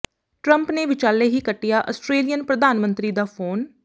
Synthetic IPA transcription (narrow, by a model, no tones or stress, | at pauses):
ʈɾəmpneːʋɪt͡ʃaːleːɦiːkəʈːɪjaːʔəsʈɾeːlɪjənpɾəd̪aːnmənt̪ɾiːd̪aːpʰoːn